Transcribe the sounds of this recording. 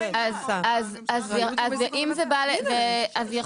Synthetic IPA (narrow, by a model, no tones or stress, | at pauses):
azazazazʔimzebaleveazja